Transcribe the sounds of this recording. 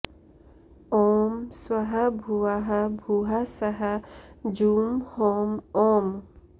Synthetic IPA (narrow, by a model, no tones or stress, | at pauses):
ɔmswaɦabʱuaɦabʱuɦasaɦad͡ʒumhɔmɔm